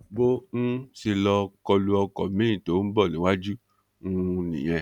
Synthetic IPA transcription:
bo˦n̩˦si˧lɔ˧kɔ˧lu˧ɔ˧kɔ̰˨mĩ˦ĩ˦˨to˨˦n̩˦bɔ˦˨nĩ˨˦wa˦d͡ʒu˦ | n̩˦˧nḭ̃˨j̃ɛ̃˧

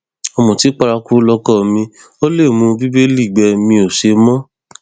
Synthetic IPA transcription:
ɔ˧mũ˨ti˨˦k͡pa˧ɾa˧ku˦lɔ˧kɔ˦˨mĩ˧ | o˦le˦˨mũ˧bi˦bi˦li˦˨ɡ͡bɛ˧mĩ˧o˨ʃe˧mɔ̃˦

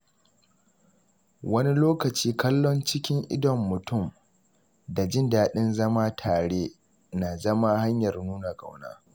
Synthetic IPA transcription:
wɐ˦ni˦loː˦kɐ˨t͡ʃiː˦kɐ˦lːɔ˦nt͡ʃɪ˦kʲɪ˦ŋʔɪ̰˦dɔ˨mːʊ˨tʊ˦˨m | da˨d͡ʒɪ˦˨ndaː˨ɗɪ˦nzɐ˦ma˦tʰaː˨ɽeː˦ | na˨zɐ˦ma˦ha˦ɲjɐ˨rnuː˦na˨ɡa̰˨wna̰ː˦

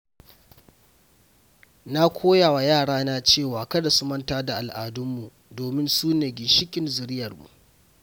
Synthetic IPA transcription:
na˦kʷʰoː˦ja˨wa˨jaː˦˨ɽaː˦naː˦t͡ʃeː˦˨waː˨kɐ˦da˨su˦mɐ˦ntaː˦da˨ʔa˨lʔaː˨dʊ˦mːu˨ | doː˨mɪ˦nsuː˦neː˨ɡʲɪ˨ʃɪ˦kʲʼɪ˨nzʊ˨ɾɪ˦jɐ˨rmṵ˨ʔ

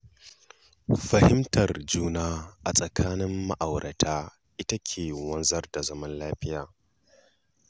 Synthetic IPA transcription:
ɸɐ˨hɪ˦mtɐ˨rd͡ʒuː˦naː˦ʔa˨sʼɐ˨kʰaː˦nɪ˦mːa˦ʔa˨wɾʔɐ˨tʰaː˦ | ʔɪ˦tɐ˦kʲʰeː˨wɐ˦nzɐ˦rda˨zɐ˦mɐ˦nlaː˦ɸɪ˦jaː˨

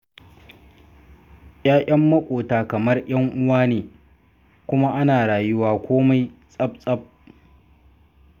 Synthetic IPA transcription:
j̰aː˦ʔʲʼɐ˦mːɐ˦kʷʼoː˨taː˨kɐ˨mɐ˦rj̰ɐ˦ŋʔʊ˦waː˦neː˨ | kʷʊ˦ma˦ʔa˦naː˨ɽaː˨jʊ˦waː˦kʷoː˦ma˦jsʼɐ˦p̚sʼɐ˦b̚

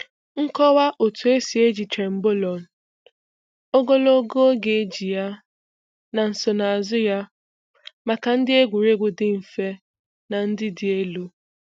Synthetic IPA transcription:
ŋ̩˦kɔ˦wa˦ʔo˨tu˨e˦si˨e˦d͡ʒi˨tɾe˨m̩˦bo˦lɔ˨n̩˨ | o˦ɡo˦lo˦ɡo˦ɡe˨e˦d͡ʒi˨ja˦ | na˨n̩˨so˨na˨a˨zʊ˦ja˦ | ma˨ka˨n̩˦dɪ˦e˦ɡʷu˨ɾe˦ɡʷʊ˨dɪ˦ɱ̩˨fe˦ | na˨n̩˦dɪ˦dɪ˨e˦lu˦

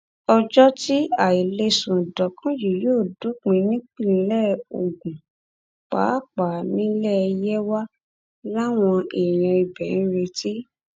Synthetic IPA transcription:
ɔ˧d͡ʒɔ˦ti˦a˦˨i˨le˧sũ˨dɔ˨kʰã˦ji˨joː˦˨du˨˦k͡pĩ˧nĩ˦k͡pi˦˨ĩ˧˦lɛ˦˨o˨ɡũ˨ | k͡pa̰ː˨˦˨k͡pa˨nĩ˦lɛ˦˧jɛ˦wa˦ | la˦w̃ɔ̃˧e˨j̃ã˧i˨bɛ˨nĩ˨˦ɾe˧ti˦

